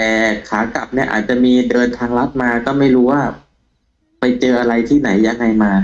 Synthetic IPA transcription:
t̪ɛː˨˩kʰaː˩˦ka˨˩p̚ni˥˩ɐʔa̰ː˨˩t̪̚t͡ɕa˨˩ʔmiː˧dɤː˧nt̪ʰaː˧ŋɾa˦˥t̪̚maː˧kɔː˥˩ma˥˩jɾuː˦˥waː˥˩ | pa˧jt͡ɕɤː˧ʔa˧ɾa˧jt̪ʰiː˥˩na˩˦jːa˧ŋːa˧jmaː˧

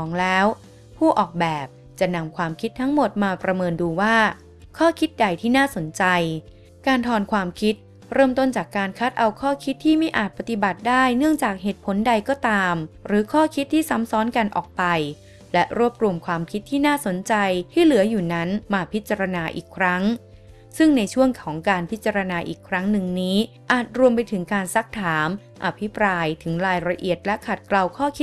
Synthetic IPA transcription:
ɔː˩˦ŋlɛː˦˥w | pʰuː˥˩ʔɔː˨˩k̚bɛː˨˩p̚ | t͡ɕa˨˩na˧mkʰwaː˧mkʰi˦˥t̪ʰːa˦˥ŋmo˨˩t̪̚maː˧pɾa˧mɤː˧nduː˧waː˥˩ | kʰɔː˥˩kʰi˦˥t̪̚da˨˩jt̪ʰiː˥˩naː˥˩so˩˦nt͡ɕa˧j | kaː˧nt̪ʰɔː˧nkʰwaː˧mkʰi˦˥t̪̚ | ɾɤː˥˩mt̪o˥˩nt͡ɕaː˨˩kːaː˧nkʰa˦˥t̪̚ʔa˧wkʰɔː˥˩kʰi˦˥t̪ʰːiː˥˩ma˥˩jʔaː˨˩t̪̚pa˧t̪i˨˩ba˨˩t̪̚daː˥˩jnɯ˥˩əŋt͡ɕaː˨˩k̚ɦeː˨˩t̪̚pʰo˨˩˦nda˧jkɔː˥˩t̪aː˧mɾɯː˩˨˦kʰɔː˥˩kʰi˦˥t̪ʰːiː˥˩sa˦˥msɔː˦˥nka˧nʔɔ̰ː˨˩k̚pa˧j | lɛ˦˥ʔɾu˥˩əp̚ɾu˧əmkʰwaː˧mkʰi˦˥t̪ʰːiː˥˩naː˥˩so˩˦nt͡ɕa˧jt̪ʰiː˥˩lɯ˨˩˦ɐjuː˨˩na˦˥nmaː˧pʰi˦˥t̪̚t͡ɕa˧ɾa˧naː˧ʔḭː˨˩kʰɾa˦˥ŋ | sɯ˥˩ŋna˧jt͡ɕʰu˥˩əŋkʰɔː˩˦ŋkaː˧npʰi˦˥t̪̚t͡ɕa˧ɾa˧naː˧ʔiː˨˩kʰɾa˦˥ŋnɯ˨˧ŋniː˦˥ | ʔaː˨˩t̪̚ɾu˧əmp̬a˧jt̪ʰɯ˩˦ŋkaː˧nsa˦˥k̚t̪ʰaː˩˦m | ʔa˧pʰi˦˥pɾaː˧jt̪ʰɯ˩˦ŋɾaː˧jɾa˧ʔḭ˨˩ət̪̚lɛ˦˥kʰa˨˩t̪̚kla˧wkʰɔː˥˩kʰi˦˥t̪̚

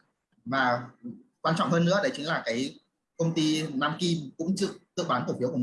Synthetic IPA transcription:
vaː˨˩kwaː˧nt͡ɕɔ̰˧˨wŋ͡mhəː˧nːɨ̰˧˥əɗə˨˦jt͡ɕi˨˦ŋ̟laː˨˩kaː˨˦j | kə˧wŋ͡mt̪i˧naː˧mki˧mkʊ̰˧˥ŋ͡mt͡ɕɨ̰˧˨ək̚zɨ̰˧˨ɓaː˨˦t̪fi˨˦əku˧˩˨

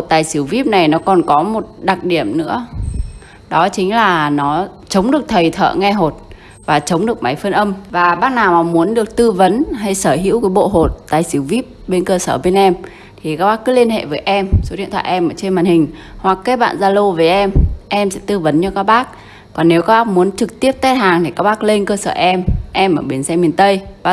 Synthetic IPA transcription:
ho˨˩t̚t̪aː˨˩jsɨ˨˧˦əwvi˦˥p̚na˨˩jnɔ˨˦kɔ˨˩nkɔ˨˦mo˨˩t̚ɗa˨˩k̚ɗi˧˩əmnɨ̰˧˥ə | ɗɔ˨˦t͡ɕï˨˦ŋ̟laː˨˩nɔ˨˦ | t͡ɕə˨˦wŋ͡mɗɨ˨˩ək̚t̪ʰə˨˩jt̪ʰə̰ː˧˨ŋɛ˧ɦo˨˩t̚ | vaː˨˩t͡ɕə˨˦wŋ͡mɗɨ˨˩ək̚ma˨˦jfə˧nʔə˧mvaː˨˩ɓaː˦˥k̚naː˨˩wnɔ˨˩mu˨˦ənɗɨ˨˩ək̚t̪ɨ˧və˨˦nɦa˧jsəː˧˩ɦḭ˧˥əwkaː˨˦jɓo̰˧˨ɦo˨˩t̚t̪aː˨˩jsɨ˨˦wvi˦˥p̚ɓe˧nkəː˧səː˧˩ɓe˧nʔɛ˧m | t̪ʰi˨˩kaː˦˥k̚ɓaː˦˥kːɨ˨˦li˧ənɦḛ˧˨vəː˨˦jʔɛ˧mso˨˦ɗḭ˧˨ənt̪ʰa̰ː˧˨ʔɛ˧mʔəː˧˩t͡ɕe˧nmaː˨˩nhï˨˩ŋ̟ | hwa˨˩kkːeː˨˦˥ɓa̰ː˧˨nzaː˧lo˧veː˨˦jʔɛ˧mʔɛ˧msɛ̰˧˥t̪ɨ˧və˨˦nɲɨ˧kaː˦˥k̚ɓaː˦˥k̚ | kɔ˨˩nːe˨˦wkaː˦˥ɓaː˦˥k̚mu˨˦ənt͡ɕɨ˨˩k̚t̪i˦˥əp̚t̪ɛ˦˥t̚haː˨˩ŋt̪ʰi˨˩kaː˦˥k̚ɓaː˦˥k̚le˧nkəː˧səː˧˩ʔɛ˧mʔɛ˧mʔəː˧˩ɓe˨˦ənsɛ˧mi˨˩ənt̪ə˧jvaː˨˩

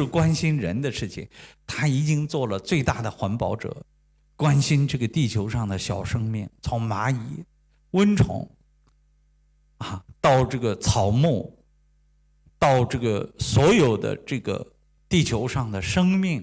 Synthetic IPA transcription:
ɻ̩˥˩kwa˥nɕi˥nɻə̰˧˥nd̪ə˧ʂɻ̩˥˩t͡ɕʰḭ˨˩ŋt̪ʰa˥i˨˩t͡ɕi˥ŋt͡swɔ˥˩lə˩t͡swe˥˧ɪt̪a˥˩d̪ə˩xwa˧˥npɑ˧˥ʊʈ͡ʂɤ̰˨˩˦ | kwa˥nɕi˥nʈ͡ʂɤ˥˩ɡə˩t̪i˥˩t͡ɕʰjo˧˥ʊʂɑ˥˩ŋd̪ə˩ɕjɑ˨˩ʊʂɤ˥ŋmi˥˩ŋt͡sʰʊ˧˥ŋma˧˥i˧˥ | wə˥nʈ͡ʂʰʊ̰˧˥ŋ | a˥˧t̪ɑ˥˧ʊʈ͡ʂɤ˥˩ɡə˩t͡sʰɑ˨˩ʊmu˥˩ | t̪ɑ˥˧ʊʈ͡ʂɤ˥˩ɡə˩swɔ˧˥jo˨˩ʊd̪ə̰˦ʈ͡ʂɤ˥˩ɡə̰˩ | t̪i˥˩t͡ɕʰjo˧˥ʊʂɑ˥˩ŋd̪ə˩ʂɤ˥ŋmi˥˩ŋ

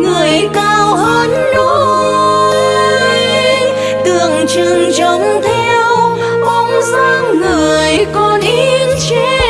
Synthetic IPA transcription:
ŋɨ˨˩əjkaː˧wɦəː˧˦nɗo˧˥ | jj | t̪ɨ˨˩əŋt͡ɕɨ˨˩ŋzə˧˨˩wŋ͡mt̪ʰɛ˧w | ʔɔ˧ŋ͡mzaː˧ŋŋɨ˨˩əjkɔ˧nʔi˦nt͡ɕe˧˥

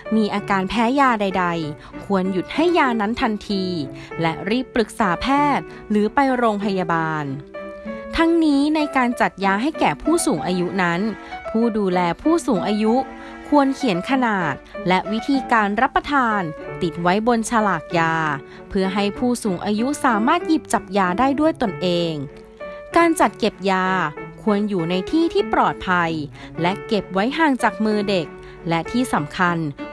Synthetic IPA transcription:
miː˧ʔaː˧kaː˧npʰɛː˦˥jaː˧da˧jda˧j | kʰu˧ənju˨˩t̪̚ha˥˩jːaː˧na˦˥nt̪ʰa˧nt̪ʰiː˧lɛ˦˥ʔɾiː˥˩pːɾɯ˨˩k̚saː˩˦pʰɛː˥˩t̪̚ | lɯː˩˦pa˧jɾoː˧ŋpʰa˧jaː˧baː˧n | t̪ʰa˦˥ŋniː˦˥na˧jkaː˧nt͡ɕa˨˩t̪̚jaː˧ɦa˥˩jkɛː˨˩pʰuː˥˩suː˩˦ŋʔaː˧ju˦˥na˦˥npʰuː˥˩duː˧lɛː˧pʰuː˥˩suː˩˦ŋʔaː˧ju˦˥ʔ | kʰu˧ənkʰi˨˩˦nkʰa˧naː˨˩t̪̚lɛ˦˥ʔwi˦˥t̪ʰiː˧kaː˧nɾa˦˥pːa˧t̪ʰaː˧nt̪i˨˩t̪̚wa˦˥jbo˧nt͡ɕʰa˧laː˨˩k̪̚jaː˧ | pʰɯ˥˩ɐɦa˥˩jpʰuː˥˩suː˩˦ŋʔaː˧ju˦˥saː˩˦maː˥˩t̪̚ji˨˩p̚t͡ɕa˨˩p̚jaː˧daː˥˩jdu˥˩əjt̪o˧nʔeː˧ŋ | kaː˧nt͡ɕa˨˩t̪̚ke˨˩p̚jaː˧kʰu˧ənjuː˨˩na˧jt̪ʰiː˥˩t̪ʰiː˥˩pɾɔː˨˩t̪̚pʰa˧j | lɛ˦˥ʔke˨˩p̚wa˦˥jɦaː˧ŋt͡ɕaː˨˩k̚mɯː˧de˨˩k̚ | lɛ˦˥ʔt̪ʰiː˥˩sa˩˦mkʰa˧n

